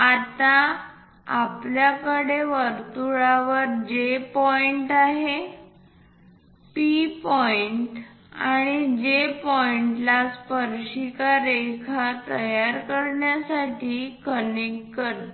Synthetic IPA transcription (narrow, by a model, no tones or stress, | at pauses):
at̪a | apljakəɽeʋəɾt̪uɭaʋəɾd͡ʑepɔiɳʈaɦe | pipɔiɳʈ | aɽ̃id͡ʑepɔiɳʈlaspəɾʂikaɾekʰat̪əjaɾkəɾɳjasaʈʰiːkənekːəɾt̪